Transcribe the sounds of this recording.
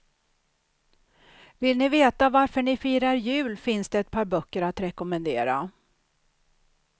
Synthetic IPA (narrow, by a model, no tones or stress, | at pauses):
vɪlnɪveːt̪avaɾfəɳɪfiːɾaɾjʉ̟ːlfɪnsd̪ɛɛt̪̚pʰɑːɾbœkːəɾat̪ɾɛkɔmɛnd̪ḛːɾa